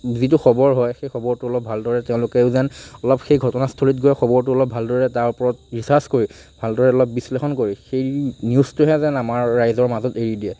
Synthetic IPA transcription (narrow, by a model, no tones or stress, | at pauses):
zitʊxɔbɔɹɦɔjxejxɔbɔɹtʊɔlɔp̚bʱaldɔɹɛtɛʊ̃lʊkɛʊzɛnɔlɔpxejɡʱɔtɔnastʰoɹitɡojxɔbɔɹtʊɔlɔb̚ʱaldɔɹɛtaɹpɔɹɔt̚ɹisaɹskoɹi | bʱaldɔɹɛɔlɔp̚bislexɔnkoɹixejniustʊɦɛzɛnamaɹːajzɔɹmazɔteɹidiɛ